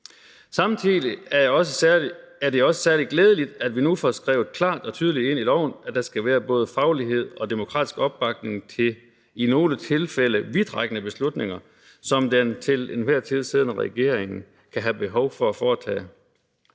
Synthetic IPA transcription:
sɑ̈mn̩t͡sʰilˠiæɒsəæɐde̝ɒ̽sə̥sæɐlid̥ɡ̥leːð̞ˠəlid̥æd̥ʋinufɒsɡ̥ʁɛ̰ːʊð̩ˠkʰlɑ̰̈ːd̥ɒ̽t͡sʰyːð̞ˠlide̝n̰ilɒʊ̰n̩æd̥ɑ̈sɡ̥æʋæːɐb̥ɔ̽ːð̞ˠəfɑ̈ʊliɦe̝ð̞̰ˠɒ̽d̥e̝mo̝kʰʁɑ̰ːd̥isɡ̥ɒ̽b̥ɑ̈ɡ̥̚ne̝ŋt͡sʰe̝ | ino̝ːlət͡sʰe̝lfel̰əʋid̥ʁɑɡ̥ənəb̥e̝slud̥ne̝ŋɐ | sɒ̽md̥ent͡sʰe̝lenʋæɐ̰t͡sʰiðˠseðˠən̩əʁɛ̰ɡ̥e̝ɐ̰eŋn̩ | kʰæɦæb̥e̝ɦɒʊfɒ̽æfɒːt͡sʰɛ̰ː

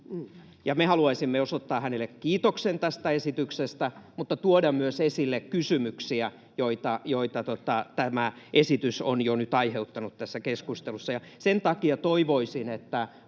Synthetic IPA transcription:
jɑmehɑluɑisimːeosot̪ːɑːhænelːˑekkiːt̪oksent̪æst̪æesit̪yksest̪æmut̪ːɑt̪uodɑmmyøsesilːekkysymyksiæ | joit̪ɑjoit̪ɑt̪ot̪ɑt̪æmæʔesit̪ysonjonyt̪ɑiheut̪ːɑnut̪t̪æsːækeskust̪elusːɑjɑ | sent̪ɑkiɑt̪oiʋoisinet̪ːæ

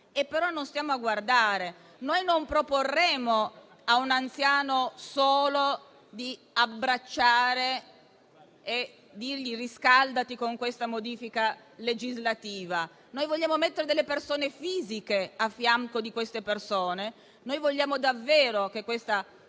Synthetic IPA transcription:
epːeɾɔnːonst̪jaːmoaɡward̪aːɾe | nojnompɾoporːeːmo | aunant̪sjaːnosoːlo | d̪i | abːɾat͡ʃːaːɾe | e | d̪irʎiriskald̪at̪ikoŋkwest̪amod̪iːfika | led͡ʒizlat̪iːva | noːjvoʎːaːmomet̪ːeɾed̪elːepersoːnefiːzikeafːjaŋkod̪ikwest̪epersoːne | noːjvoʎːaːmod̪avːeːɾokekːwest̪a

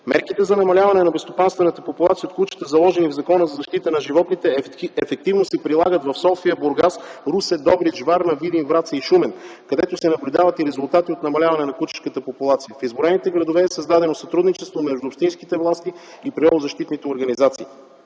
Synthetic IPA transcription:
mɛ̰ɾkit̪ɛzɐnɐmɐlʲavɐnɛnɐbɛst̪opanst̪vɛnət̪əpopulˠat̪siəot̪̚klˠut͡ʃi̥t̪əzɐlˠɔʒɛnivzɐkɔnəzɐzɐʃt̪it̪ənɐʒivɔt̪nit̪ɛɛfɛk̚t̪ivnosɛpɾilˠaɡət̪vɐfsɔfiəbʊɾɡasɾusɛd̪ɔbɾiʒvaɾnɐvid̪invɾat̪səiʃumɛnkɐd̪ɛt̪osɛnɐblʲʊd̪avɐt̪iɾɛzʊlˠt̪at̪iot̪nɐmɐlʲavɐnɛnɐklut͡ʃi̥skət̪əpopulˠat̪sijəfizboɾɛnit̪ɛɡɾɐd̪ovɛːsɐzd̪ad̪ɛnosɐt̪ɾud̪nit͡ʃɛst̪vomɛʒd̪ʊːpʃt̪inskit̪ɛvlˠast̪i | ipɾɛɛvˠozɐʃt̪it̪nit̪ɛoɾɡɐnizat̪sḭː

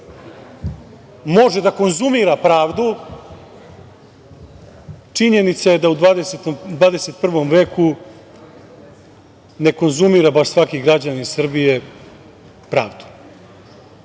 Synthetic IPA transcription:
mo̞ʒed̪ako̞nzumiɾapɾaːʋd̪u | t͡ʂiɲe̞nit̪saje̞d̪aud̪ad̪eset̪d̪vaːd̪ese̞t̪̚pr̩ʋo̞mʋe̞ːku | ne̞ko̞nzumiːɾabaʂsʋakiɡɾad͡ʑaniisr̩bije | pɾaːʋd̪u̥

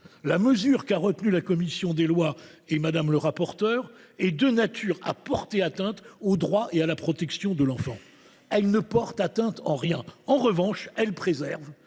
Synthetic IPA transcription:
laməzyʁkaʁət̪nylakɔmisjɔ̃d̪elwaemad̪amləʁapɔʁt̪œːʁɛd̪ənat̪ʰyʁa̰pɔʁt̪eat̪ɛ̃t̪od̪ʁwaʔealapχɔt̪ɛksjɔ̃d̪əlɑ̃fɑ̃ | ɛlnəpɔʁt̪at̪ɛ̃t̪ɑ̃ʁjɛ̃ɑ̃ʁəvɑ̃ʃɛlpχezɛʁv

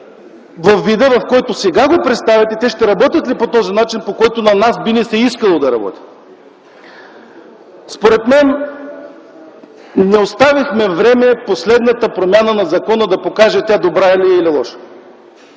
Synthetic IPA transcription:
vɐfːid̪əvɐfkɔjt̪osɛɡaɡopɾɛt̪st̪avʲɛt̪ɛt̪ɛʃt̪ɛɾɐbɔt̪ʲət̪lipot̪ɔzinat͡ʃinpokɔjt̪onɐnasbinɛsɛiskəlˠod̪ɐɾɐ̰bɔ̰t̪ʲi̥ | spoɾɛt̪mɛn | nɛost̪avixmɛvɾɛmɛposlɛd̪nət̪əpɾomʲjanənɐzɐkɔnəd̪ɐpokaʒɛt̪ʲad̪obɾailiililˠɔ̰ʃə̥

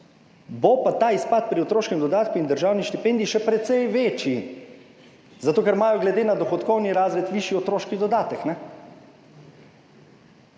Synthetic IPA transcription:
bɔpat̪aːispat̪̚pɾiɔt̪ɾoːʃkɛmd̪ɔd̪aːt̪kuind̪əɾʒaːwniʃt̪ipɛnd̪iʃɛpɾɛt̪sɛjʋeːt͡ʃji | zat̪oːkɛɾmaːjɔɡlɛd̪eːnad̪ɔxɔt̪kɔwniɾaːzɾɛt̪ʋiːʃjiɔt̪ɾoːʃkid̪ɔd̪aːt̪əknɛ

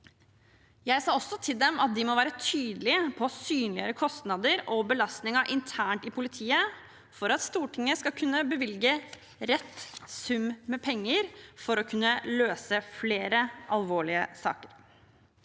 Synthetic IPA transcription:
jæɪsɑːɔsːɔt̪ʰɪld̪ɛmʔɑt̪̚d̪ɪmɔʋæːɾət̪ʰyːd̪əlɪəpʰɔsyːnlɪəɾəkʰɔst̪nɑd̪əɾɔbəlɑst̪nɪŋɑʔɪnt̪ʰæːɳʈɪpʰʊlɪt̪ʰiːə | fɔɾɑt̪st̪uːʈʰɪŋːəskɑkʰʉnːəbəʋɪlɡə | ɾɛt̪ːsʉmmɛpʰɛŋːəɾfɔɾɔkʰʉnːəløːsəfleːɾəʔɑlʋoːɭɪəsɑ̰ːkəɾ

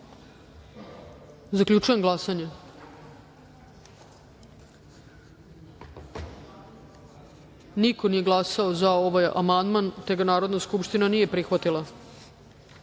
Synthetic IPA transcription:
zaklʎʲut͡ʃuje̞mɡlˠasaɲe | niko̞nije̞ɡlˠasaozao̞ʋaja̰mand̪mant̪e̞ɡanaːɾod̪naskupʃt̪inanije̞pɾixʋat̪ilˠa

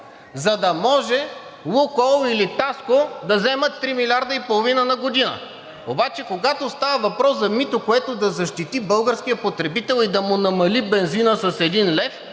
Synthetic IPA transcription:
zɐd̪ɐmɔʒɛlˠukɔlˠilit̪askod̪ɐzɛmət̪ːɾimilʲaɾd̪əipolˠovinənɐɡod̪inə̰ | obat͡ʃɛkoɡat̪ost̪avəvɐpɾɔsɐmit̪okoɛt̪od̪ɐzɐʃt̪it̪ibɤlˠɡəɾsk̟ijəpot̪ɾɛbit̪ɛlˠid̪ɐmʊnɐmɐlibɛnzinəsɐsɛd̪inlɛf

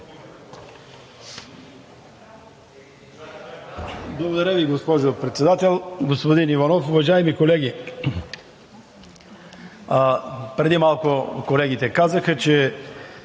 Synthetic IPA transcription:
blˠɐɡod̪ɐɾaviɡospɔʒopɾɛt̪sɛd̪at̪ɛlˠɡospod̪inivɐnɔfʊvɐʒaɛmikolɛɡi | pɾɛd̪imalˠkokolɛɡ̟it̪ɛkazɐxɐt͡ʃɛ

